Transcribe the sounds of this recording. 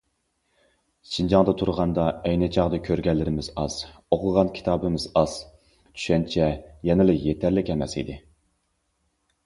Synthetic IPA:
ʃʰind͡ʒɑŋd̪ɑt̪ʰuɾʁɑnd̪ɑɛjnɪt͡ʃʰɑʁd̪ɨkʲʰøɾɡʲɛlːɪɾɪmɪzɑz̥oqʰʊʁɑnkʲʰi̥t̪ʰɑːbɨmɪzɑz̥ | t͡ʃʰy̥ʃɛnt͡ʃʰɛjɛnɪlɨjet̪ʰæɾlɪkʲɛmɛsḭd̪ɪ

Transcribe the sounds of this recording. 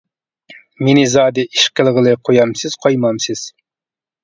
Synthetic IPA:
menɪzɑːd̪ɪʔiʃqəlˠəʁəlˠɨqʰojɑmsɨz̥qʰɑjmɑmsɪz̥

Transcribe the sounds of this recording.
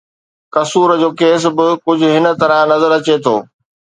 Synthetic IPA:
kɐsuːɾd͡ʑoːkeːs̬bɪkʊd͡ʑʱʊ̆ɦɪnə̆t̪ɐɾə̃nɐzəɾɐt͡ɕet̪ʰoː

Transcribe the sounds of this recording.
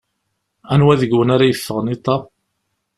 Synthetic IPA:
ænwæðəɡwənaɾajəfːəʁənit̪ˤːɑ

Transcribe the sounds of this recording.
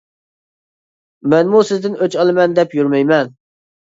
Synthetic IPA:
mɛnmusɪzd̪ɪnøt͡ʃɑlˠɨmɛnd̪ɛpjyɾmɛjmɛn

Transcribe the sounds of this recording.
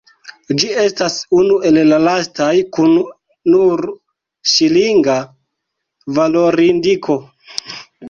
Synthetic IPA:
d͡ʒie̞stasunuʔe̞lːalastajkunː | uɾ | ʃiliŋɡa | valo̞ɾindikʰo̞

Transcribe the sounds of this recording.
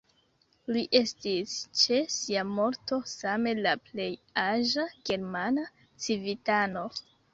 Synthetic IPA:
liʔe̞stist͡ʃe̞siamo̞ɾto̞same̞laple̞jaʒaɡe̞ɾmana | t͡sivitano̞

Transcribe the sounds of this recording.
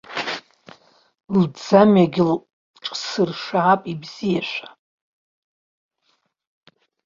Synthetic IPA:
ld͡zamaɡʲɪl | ʈ͡ʂʼsɨrʂaʕapʼibz̥ijaʃᶣʷḁ

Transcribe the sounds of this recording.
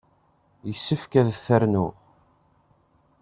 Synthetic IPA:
jəsːəfkæðθæɾnu

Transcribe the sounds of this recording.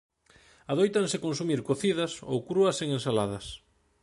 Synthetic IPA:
aðojt̪aŋsekons̬umiɾkoθiðɐso̰wkɾuɐseŋensalað̞ɐs

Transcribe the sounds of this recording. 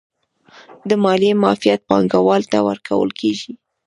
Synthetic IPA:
d̪əmɑlemɑfijat̪̚pɑŋɡawɑlt̪awə̰ɾkʰa̰wə̰lkeʒi

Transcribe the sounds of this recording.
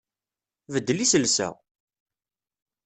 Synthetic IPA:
vəd̪ːlisəlsæ̰

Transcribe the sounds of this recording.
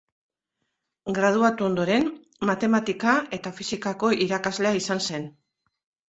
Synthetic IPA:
ɡɾað̞uat̪uo̞nd̪o̞ɾe̞n | mat̪e̞mat̪ikae̞t̪afisikako̞ʔiɾakazle̞aisanse̞n

